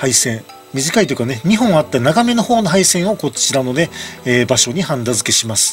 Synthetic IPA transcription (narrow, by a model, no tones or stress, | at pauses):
haisẽ̞ɴ | mʲiʑikait̪oi̟kaneɲ̟iɦõ̞ɰ̃at̪ːanaɡame̞no̞ho̞ːnoɦaisẽ̞ɰ̃o̞ko̞t͡ɕiɾano̞ne̞ːbaɕo̞ɲ̟ihãnd̪azɨke̞ɕimasɨ̥